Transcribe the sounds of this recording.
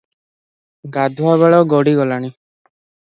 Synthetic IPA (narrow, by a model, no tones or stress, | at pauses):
ɡad̪ʱuaβaɭɔɡɔɽiɡɔlaɽ̃i